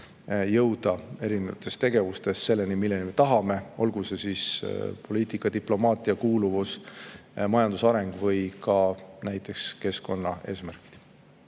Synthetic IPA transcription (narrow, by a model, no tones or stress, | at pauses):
jɤwd̪̥ɑe̞ɾinevɑ̰t̪ːˑe̞st̪e̞ɡe̞vust̪e̞sse̞lːenimilːenime̞t̪ɑɦɑme̞o̞lɡ̥use̞sispo̞liːt̪ikːˑɑd̪iplo̞mɑːt̪ˑiɑkuːluvus | mɑjɑnd̪̥usɑɾe̞ŋɡ̥vɤjkɑnæjt̪ːˑe̞kske̞sko̞nːɑ̰e̞̰ːsmærki̥d̪̥